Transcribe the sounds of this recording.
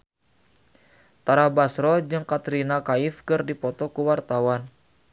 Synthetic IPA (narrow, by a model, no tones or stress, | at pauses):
t̪aɾabasɾɔd͡ʒɨŋkat̪ɾinakaifkɨrdipɔt̪ɔkuwart̪awan